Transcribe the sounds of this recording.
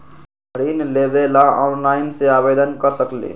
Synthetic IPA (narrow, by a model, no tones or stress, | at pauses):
əɾinlebelaɔnlaɪnseabed̪ənkəɾsəklḭ